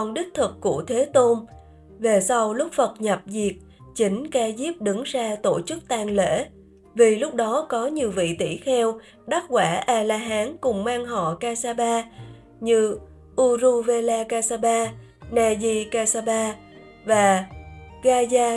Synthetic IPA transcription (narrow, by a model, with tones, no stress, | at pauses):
ŋ͡mɗï˦˥k̟̚t̪ʰɨ˨˩k̚kːu˧˩ət̪ʰe˨˦t̪o˧m | ve˨˩sa˧wlʊ˦˥k͡p̚fə˨˩t̚ɲa˨˩p̚zi˨˩ək̚ | t͡ɕï˨˦ŋ̟kaː˧zi˦˥p̚ɗɨ˨˦ŋzaː˧t̪o˧˩t͡ɕɨ˦˥k̚t̪aː˧ŋlḛ˧˥ | vi˨˩lʊ˦˥k͡p̚ɗɔ˨˦kɔ˨˦ɲi˨˩əwvḭ˧˨t̪i˧˩xɛ˧w | ɗa˦˥k̚kwaː˧˩ʔaː˧laː˧ɦaː˨˦nkʊ˨˩ŋ͡mmaː˧ŋɦɔ̰˧˨kaː˧saː˧ɓaː˧ | ɲɨ˧ | ʔu˧zu˧ve˧laː˧kaː˧saː˧ɓaː˧ | naː˧zi˧kaː˧saː˧ɓaː˧ | vaː˨˩ɣaː˧zaː˧